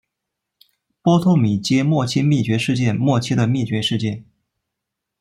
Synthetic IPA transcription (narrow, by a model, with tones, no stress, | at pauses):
pwɔ˥t̪ʰo˥˩ʊmi˨˩t͡ɕjɛ˥mwɔ˥˩t͡ɕʰi˥mi˥˩t͡ɕɥɛ˧˥ʂɻ̩˥˧t͡ɕjɛ˥˧nmwɔ˥˩t͡ɕʰi˥d̪ə˨mi˥˩t͡ɕɥɛ˧˥ʂɻ̩˥˧t͡ɕjɛ˥˩n